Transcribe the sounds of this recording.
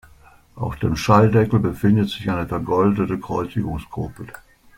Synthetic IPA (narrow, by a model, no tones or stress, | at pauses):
ʔaʊxd̥eːmʃaldɛkl̩bəfɪndətz̥ɪçʔaɪnəfɛɐɡɔldətəkʁ̥ɔʏt͡sɪɡʊŋskʰʁoːpl̩